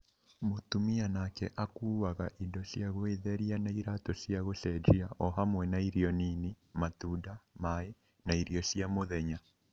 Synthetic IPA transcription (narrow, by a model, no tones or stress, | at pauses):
motumianakɛ̰ʔakuːwaɣaʔindɔsjaɣweðɛɾianaiɾatɔsjaɣosɛd͡ʒiaʔɔɦamwɛnaiɾiɔnini | matudamae | naiɾiɔsjamoðɛɲa